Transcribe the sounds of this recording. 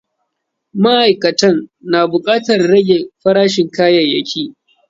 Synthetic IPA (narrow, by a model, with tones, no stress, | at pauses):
ma˦ʔa˨jkɐ˨tɐ˦nnaː˨bʊ˨kʼaː˦tɐ˨rːɐ˦ɡʲe˨ɸɐ˦ɽaː˦ʃɪ˨ŋkaː˦jɐ˨jɐ˦kʲʰiː˦ʔ